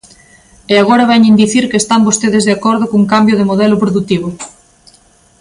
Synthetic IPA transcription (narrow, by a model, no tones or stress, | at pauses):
eaɣ̞oɾaβɛɲẽnd̪iθiɾkeːst̪ambost̪eðezðeakɔɾðokuŋkambjoð̞emoðɛlopɾoðut̪iβ̞o